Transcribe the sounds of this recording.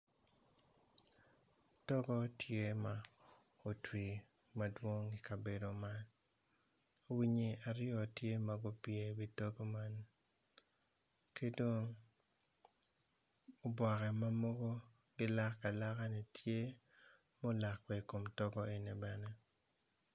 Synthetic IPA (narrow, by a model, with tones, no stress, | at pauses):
tɔ˦ɡɔ˦tʰje˦ma˨ | o˨twi˨ | ma˨dwo˦ŋi˨ka˨be˨do˨ma˦n | o˦wi˦ɲe˦a˨ɾɪ˦ɔ˨tje˦ma˨ɡo˦pje˨bi˦tɔ˦ɡo˦ma˦n | ke˦do˦ŋ | o˨bwɔ˨kɛ˨ma˦mo˦ɡo˦ | ɡɪ˦la˦kːa˨la˦ka˦ne˨tje˦ | mo˦la˨kpɛ˨i˨ko˨mtɔ˦ɡɔ˦e˨ni˨bɛ˨nɛ˦